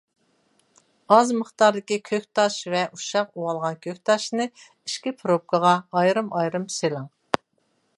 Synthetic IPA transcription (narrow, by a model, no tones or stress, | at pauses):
ɑzməχt̪ɑɾd̪ɪkʲikʲʰøkʲt̪ʰɑʃvɛʔuʃɑquwɑlˠʁɑnkʲʰøkʲt̪ʰɑʃnɨ | iʃkʲipʰɨɾop̚kʰəʁɑɑjɾɨmʔɑjɾɨmselˠɑŋ